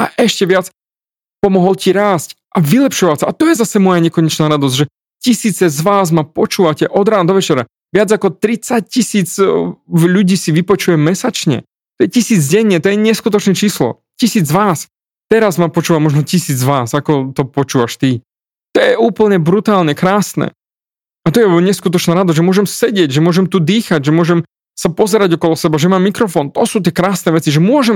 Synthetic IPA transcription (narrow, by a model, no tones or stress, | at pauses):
a̰ʔɛʃcɛʋɪat͡s | pɔmɔɦɔlciɾaːsc | ʔaʋilɛpʃɔʋasaat̪ɔjɛzasɛmɔjaɲɛkɔɲɛt͡ʃnaːɾad̪ɔzʒɛ | cisiːt͡sɛzʋaːzmapɔt͡ʃuːʋacɛʔɔd̪ɾaːnd̪ɔʋɛt͡ʃɛɾa̰ | ʋɪad͡zakɔt̪ɾit͡sac̚cisiːt͡s | ʎuɟiːsiʋipɔt͡ʃujɛmːɛsat͡ʃɲɛ̰ | t̪ɔjɛcisiːd͡zɟɛɲːɛt̪ɔjɛɲɛskut̪ɔt͡ʃnɛt͡ʃiːslɔ̰ | cisiːd͡zʋaːs | t̪ɛɾazmapɔt͡ʃuːʋamɔʒnɔcisiːd͡zʋaːsakɔt̪ɔpɔt͡ʃuːʋaʃt̪i | t̪ɔjɛʔuːpl̩ɲɛbɾut̪aːlɲɛkɾaːsnɛ̰ | at̪ɔjɛɔɲɛskut̪̬ɔt͡ʃnaːɾad̪ɔzʒɛmʊɔʒɛmsɛɟɪɛɟʒɛmʊɔʒɛmt̪ud̪iːxaɟʒɛmʊɔʒɛm | sapɔzɛɾaɟɔkɔlɔsɛbaʒɛmaːmːikɾɔfɔnt̪ɔsuːt̪̬ɪɛkɾaːsnɛʋɛt͡siʒɛmʊɔʒɛm